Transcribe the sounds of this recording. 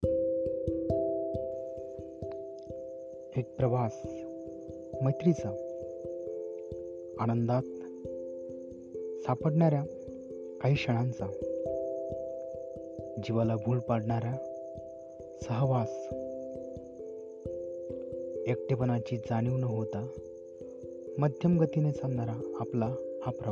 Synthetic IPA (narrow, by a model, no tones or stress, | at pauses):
ek̚pɾəʋas | məjt̪ɾit͡sa | anənd̪at̪ | sapəɽɳaɾja | kaɦiːkɕəɽ̃ãnt͡sa | d͡ʑiʋalabʱuːlpaɽɳaɾja | səɦʋas | ek̚ʈepənat͡ɕiːd͡zaɽ̃iʋnəɦot̪a | məd̪ʱjəmɡət̪inet͡sãnnaɾaːplaːpɾə